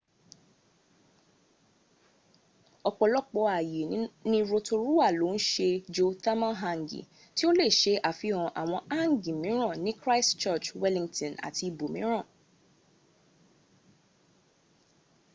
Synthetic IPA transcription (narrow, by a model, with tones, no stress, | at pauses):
ɔ˨k͡pɔ˨lɔ˦k͡pɔ˧a˨jẽ˨˦nĩ˦ɾo˧to˧ɾu˦a˦˨lo˨˦n̩˦ʃe˧d͡ʒo˧ta˦mã˦ɦa˧ŋ˨ɡḭ˨ | ti˦o˦le˦˨ʃe˧ʔa˨fi˧ɔ̃˧ʔa̰˨w̃ɔ̃˧a˦˨ŋ˨ɡĩ˨mĩ˦ɾ̃ɔ̃˦˨nĩ˦kɾa˦i˦st͡ʃɔ˦˨t͡ʃwɛ˦lĩ˧ŋtɔ̃˨na̰˨ti˧i˨bo˨mĩ˨˦ɾ̃ã˦˨